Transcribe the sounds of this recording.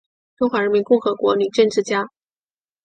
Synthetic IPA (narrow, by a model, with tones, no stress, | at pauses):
ʈ͡ʂʊ˥ŋxwa˧˥ɻə˧˥mi˧˥nkʊ˥˩ŋxɤ˧˥kwɔ˧˥ny˨˩˦ʈ͡ʂə˥˧nʈ͡ʂɻ̩˥˩t͡ɕja˥